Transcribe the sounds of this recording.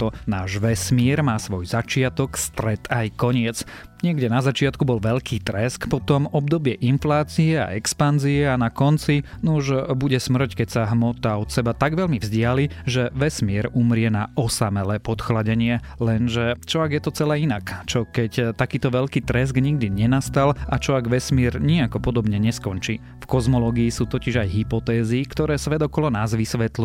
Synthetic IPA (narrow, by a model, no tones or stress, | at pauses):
t̪ɔnaːʒʋɛsmɪɛɾmaːsʋɔjzat͡ʃɪat̪ɔkst̪ɾɛt̪ajkɔɲɪɛt͡s | ɲɪɛɡɟɛnazat͡ʃɪat̪kubɔlʋɛʎkʰiːt̪ɾɛskpɔt̪ɔmɔb̚d̪ɔbɪɛʔinflaːt͡siɛa̰ɛkspanziɛanakɔnt͡si | nuʒbuɟɛsmr̩ckɛcsaɦmɔt̪aɔt̪sɛbat̪aɡʋɛʎmivzɟɪaliʒɛʋɛsmɪɛɾumɾɪɛnaʔɔsamɛlɛpɔt̪xlaɟɛɲɪɛ | lɛnʒɛt͡ʃɔaɡjɛt̪ɔt͡sɛlɛːinakt͡ʃɔkɛct̪akiːt̪ɔʋɛʎkiːt̪ɾɛzɡɲiɡ̚d̪iɲɛnast̪alat͡ʃɔaɡʋɛsmɪɛɾɲiakɔpɔd̪ɔbɲɛɲɛskɔnt͡ʃi | fkɔzmɔlɔːɡiːsuːt̪ɔciʒajɦipɔt̪ɛːzikt̪ɔɾɛːsʋɛd̪ɔkɔlɔnaːzʋisʋɛt̪li